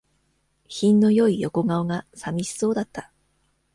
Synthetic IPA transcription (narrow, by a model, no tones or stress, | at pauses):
çĩnːo̞jo̞ijo̞ko̞ɡao̞ɡasamʲiɕi̥so̞ːd̪at̪ːḁ